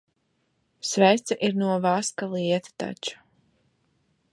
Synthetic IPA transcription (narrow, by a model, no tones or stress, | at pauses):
svɛjst̪saʔiɾnuɔvaskalˠiɛt̪ḁt̪a̰t͡ʃu̥